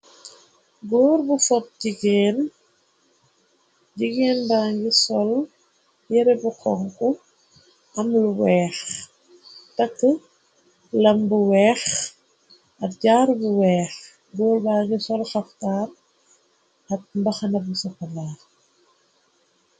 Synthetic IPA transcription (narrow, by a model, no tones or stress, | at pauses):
ɡɔːɾbufɔp̚ɟiɡɛːn | ɟiɡɛːnbaːŋɡisɔl | jɛɾɛbukʰɔŋku | ʔɐmluwɛːx | tɐkːə | lɐmbuwɛːx | ɐt̚ɟaːɾbuwɛːx | ɡɔːlbaːŋɡisɔlxɐftaːr | ɐt̚mbɐxɐnɐbusɐfɐlaː